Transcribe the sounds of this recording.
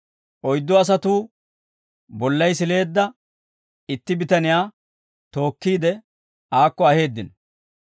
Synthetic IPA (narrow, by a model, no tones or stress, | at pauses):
ʔɔjd̪ːɔɐs̬ɐt̪uː | bɔlːɐjs̬ɪle̞ːd̪ːɐ | ɪt̪ːɪbɪt̪ɐnɪjaː | t̪o̞ːkːiːd̪ɛ | aːkːɔɐhe̞ːd̪ːɪn